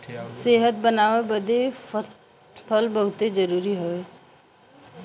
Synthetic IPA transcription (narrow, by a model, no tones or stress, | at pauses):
seːɦət̪̚bənaːʋebəd̪e | pʰəlbəɦʊt̪ed͡ʒəɾuːɾiɦoe